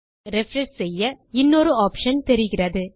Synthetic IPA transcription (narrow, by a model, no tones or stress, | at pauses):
ɾɛfɾɐssɛjːɐɪnːɔɾɯaːpʂɐnt̪ɛɾɪɣɪrɐðɯ